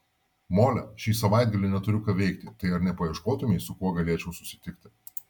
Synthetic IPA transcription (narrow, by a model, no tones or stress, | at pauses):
moːlʲɛʃʲiːsɐʋɑˑɪd̪̚ɡɐlʲɪnʲɛt̪ʊɾʲʊkɐʋʲɛɪkt̪ʲɪt̪ɐɪɐɾnʲɛpɐɛʃkoːt̪ʊmʲɛɪsʊkuɔɡɐlʲeːt͡ʃʲɛʊsʊ̥sʲɪ̥t̪ʲɪkt̪ʲɪ